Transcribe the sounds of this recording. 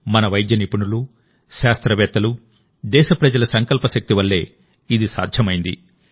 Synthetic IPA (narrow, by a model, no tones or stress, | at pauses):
mɐnɐʋɐjd̪jɐnipuɳulu | ʃaːst̪ɾɐʋɛːt̪ːɐlu | d̪ɛːʃɐpɾɐd͡ʒɐlɐsɐŋkɐlpɐʃɐk̚t̪iʋɐlːe̞ː | id̪isa̰ːd̪ʱjɐmɐjind̪ḭ